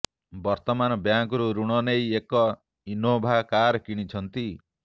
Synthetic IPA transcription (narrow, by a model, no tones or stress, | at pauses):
bɔɾt̪ɔmanɔbjaŋkɔɾuɾuɽ̃ɔnejekɔ | inobʱakaɾɔkiɽ̃it͡ʃʰɔnt̪i